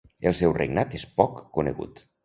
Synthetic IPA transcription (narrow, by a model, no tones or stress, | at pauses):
əlˠsɛwrḛɡnat̪espɔkːunḛɣṵt̪